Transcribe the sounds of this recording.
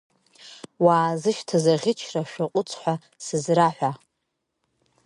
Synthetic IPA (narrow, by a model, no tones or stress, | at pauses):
waːzɨʃtʰazaʁʲɪt͡ʃʰraʃᶣaqʷʼʊt͡sʰʼħʷa | sɨzraħᶣʷa